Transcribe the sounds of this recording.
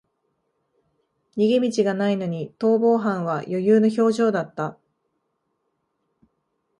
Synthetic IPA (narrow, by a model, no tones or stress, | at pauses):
ɲ̟iɡemʲit͡ɕiɡanaino̞ɲ̟it̪o̞ːbo̞ːɦãɰ̃βajo̞jɯːno̞ç̬o̞ːʑo̞ːd̪at̪ːa